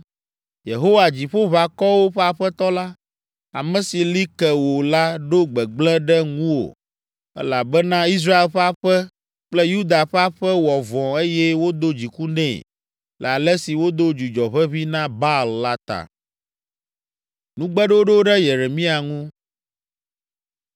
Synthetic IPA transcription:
je˨ɦo˦wa˨d͡ʑi˨ɸo˦βa˨kɔ˦wo˦ɸɛ˦a˨ɸɛ˦t̪ɔ˦la˦ | a̰˨mɛ̃˨si˨li˦kɛ˨wo˨la˦ɖo˦ɡ͡bɛ˨ɡ͡blɛ̃˦ɖɛ˦ŋũ˦wo̰˨ | ɛ̰˦la˨bɛ˦nã˦i˦s̬ɾa˦e˨lɸɛ˦a˦˨ɸɛ˦ | k͡plɛ˦ju˦d̪a˨ɸɛ˦a˦ɸɛ˦wɔ˨vɔ̃˨e˦jɛ˦wo˦d̪o˦d͡ʑi˨ku˦nɛ̰̃˦˨ | lʔɛ˨a˨lɛ˦si˨wo˦d̪o˦d͡ʒu˨d͡ʒɔ˨βɛ˦βi˦nã˦ba˦lːa˦t̪a̰˨ | nũ˦ɡ͡bɛ˦ɖo˦ɖo˦ɖɛ˦je˨ɾe˨mĩ˦a˨ŋũ˦

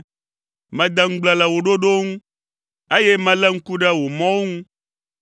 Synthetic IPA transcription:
mɛ̃˨d̪ɛ˦ŋ̩˦ɡ͡blɛ˨lɛ˨wo˨ɖo˦ɖo˦ŋũ˦ | e˦jɛ˦mɛ̃˨lɛ˦ŋ̩˦ku˦ɖɛ˦wo˨mɔ̃˦wo˦ŋũ˦

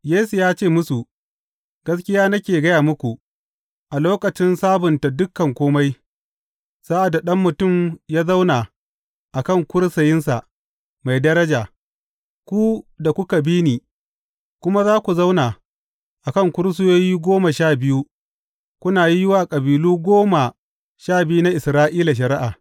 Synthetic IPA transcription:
jeː˦su˨jaː˦t͡ʃeː˦˨mʊ˦su˨ʔ | ɡ̥ɐ˦skʲɪ˦jaː˦nɐ˦kʲeː˨ɡɐ˦jaː˨mʊ˦kʷu˨ʔ | ʔa˨loː˦kʼɐ˨t͡ʃɪ˦nsaː˦bʊ˨nta˨dʊ˦kːɐ˨ŋkʷoː˦ma˦j | sa˦ʔa˨dːa˨ɗɐ˦mːʊ˨tʊ˦˨mjaː˦za˦wnaː˨ | ʔa˨kɐ˦˨ŋkʷʊ˦ɽsɐ˨jɪ˦nsa˨ | ma˨jdɐ˦ɾɐ˦d͡ʒaː˨ | kʷu˦da˨kʷʊ˦ka˨biː˦niː˨ | kʷʊ˦ma˦zaː˦kʷu˨za˦wnaː˨ | ʔa˨kɐ˦˨ŋkʷʊ˦ɽs̬ʊ˦joː˦jiː˦ɡʷoː˦ma˨ʃaː˦˨bɪ˦ju˦ | kʷʊ˦naː˨ji˦jɪ˦waː˨kʼɐ˨biː˨luː˦ɡʷoː˦ma˨ | ʃaː˦˨bɪ˦ju˦na˦ʔɪ˨sɾaː˦ʔiː˦la˨ʃ̬ɐ˨ɾɪ˦ʔa˨

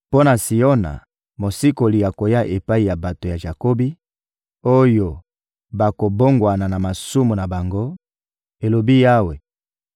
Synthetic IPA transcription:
po˦na˨si˨o˦na̰˨ | mo˨si˦ko˨li˨ja˨ko˨ja˦ʔe˨pa˦i˨ja˨ba˨to˨ja˨ʒa˨ko˦bi˦ | o˦jo˨ | ba˨ko˨bo˦ŋɡwa˨na˨na˨ma˨su˦mu˨na˨ba˨ŋɡo˦ | e˨lo˨bi˦ja˦we˨

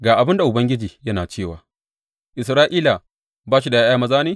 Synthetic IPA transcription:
ɡaː˨ʔa˨bɪ˦nda˨ʔʊ˨bɐ˦ŋɡʲɪ˦d͡ʒiː˨jɐ˦naː˨t͡ʃeː˦˨waː˨ | ʔɪ˨s̬ɾaː˦ʔiː˦la˨ | baː˦ʃi˦da˨jaː˦jaː˦mɐ˦zaː˦neː˦

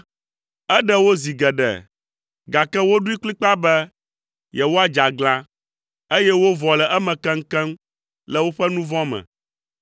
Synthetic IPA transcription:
ɛ˦ɖɛ˦wo˦zi˨ɡɛ˨ɖɛ̰˨ | ɡa˨kɛ˦wo˦ɖu˦i˦kli˦k͡pa˦bɛ˦ | jɛ˨wo˦a˦˨d͡ʒa˨ɡlã˦ | e˦jɛ˦wo˦vɔ˨lɛ˨ʔɛ˦mɛ̃˨kɛ˦ŋ̩˦kɛ˦m | lɛ˨wo˦ɸɛ˦nũ˦vɔ̃˦mɛ̰̃˨

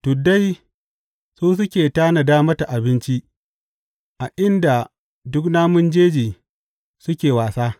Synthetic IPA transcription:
tʊ˨da˦j | suː˦s̬ʊ˦kʲeː˨taː˦na˨daː˦mɐ˦ta˨ʔa˨bɪ˦nt͡ʃi˦ | ʔa˨ʔɪ˦nda˨ | dʊ˦knaː˦mʊ˦nd͡ʒeː˦d͡ʒiː˨ | sʊ˦kʲeː˨waː˨saː˦

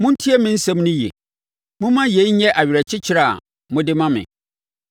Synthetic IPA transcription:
mʊ̃˦n̩˦tʰi˦ɛ˦mɪ̃˦n̩˦sɛ̃˦mnʊ̃˦jɛ̰˨ | mʊ̃˦mã˦je˨i˦ɲɛ̃˦ʔa˨ɥɪ˨ɾɛ˨t͡ɕʰɪ˦t͡ɕʰɪ˦ɾa˦˨a̰˨ | mʊ̃˦dɪ˦mã˦mɪ̰̃˨

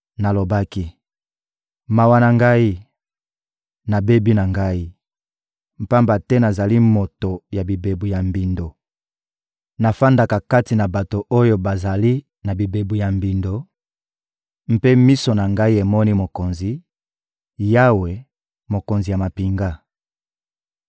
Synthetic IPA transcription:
na˨lo˨ba˦ki˦ | ma˨wa˨na˨ŋɡa˦i˦ | na˨be˦bi˦na˨ŋɡa˦i˦ | m̩˨pa˦mba˨tɛ˦na˨za˨li˦mo˨to˨ja˨bi˨be˨bu˨ja˨mbi˨ndo˨ | na˨fa˦nda˨ka˨ka˦ti˨na˨ba˨to˨ʔo˦jo˦ba˨za˨li˦ | na˨bi˨be˨bu˨ja˨mbi˨ndo˨ | m̩˦pe˦mi˦so˨na˨ŋɡa˦i˦e˨mɔ˦ni˦mo˨ko˨nzi˨ | ja˦we˨ | mo˨ko˨nzi˨ja˨ma˨pi˨ŋɡa˦

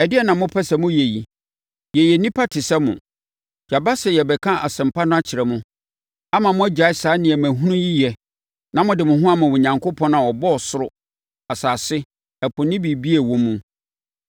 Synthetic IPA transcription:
ɛ˨dɪ˦ɛ˦nã˨mʊ̃˦pʰɛ˦sɛ˨mʊ̃˦je˨ji˨ | jɛ˨jɛ˨nĩ˦pʰa˦tʰɪ˨sɛ˦mʊ̰̃˨ | ja˨ba˦sɛ˨jɛ˨bɛ˨kʰã˦ʔa̰˨sɪ̃˨m̩˨pʰa˦nʊ̃˦a˦t͡ɕʰɪ˨ɾɛ˨mʊ̃˦ | a˦mã˨mʊ̃˦æ˦d͡ʑa˨ɪ˦sa˨˦nɪ̃˨ɛ˨mæ̃˨ɦũ˦nũ˦ji˦jɛ˨ | nã˨mʊ̃˦dɪ˨mʊ̃˨ɦʊ̃˦a˦mʊ̃˨wʊ˨ɲã˨ŋko˦pʰɔ̃˦nã˨wɔ˨bɔ˦ɔ˨sʊ˦ɾʊ˦ | a˨saː˨sɪ˦ | æ˨pʰʊ̃˨nɪ̃˦bi˨bi˦ɛ˨wɔ̃˦mũ˦

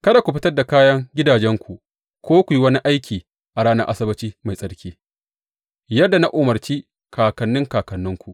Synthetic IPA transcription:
kɐ˦da˨kʷu˨ɸɪ˦tɐ˦rda˨kaː˦jɐ˦ŋɡʲɪ˦daː˨d͡ʒɛ˦ŋkʷu˨ | kʷoː˦kʷu˨ji˦wɐ˦ni˦ʔa˦jkʲʰiː˨ | ʔa˨ɾaː˦nɐ˦ʔa̰˦sɐ˦bɐ˦t͡ʃiː˦ma˨jsʼɐ˨˦ɾkʲiː˦ | jɐ˦dːa˨na˦ʔoː˨mɐ˨ɾt͡ʃiː˦ | kʰaː˨kɐ˨nːɪ˦ŋkaː˨kɐ˨nːʊ˦ŋkʷu˨ʔ

